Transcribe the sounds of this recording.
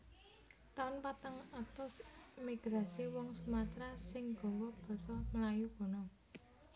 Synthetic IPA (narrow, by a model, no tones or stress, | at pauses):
t̪aʊnpat̪aŋat̪ɔsmiɡ̥ɾasewɔŋsumat̪ɾasɪŋɡ̥ɔ̤wɔb̥ɔ̤sɔməlajub̥ɔ̤nɔ